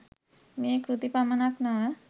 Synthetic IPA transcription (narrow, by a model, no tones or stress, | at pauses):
miekɾut̪ipamanakna